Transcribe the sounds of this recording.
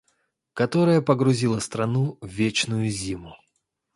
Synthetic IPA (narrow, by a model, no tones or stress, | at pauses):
kɐt̪o̞ɾəjəpəɡɾʊzʲilˠəst̪ɾɐnuvʲet͡ɕnʊjʊzʲimʊ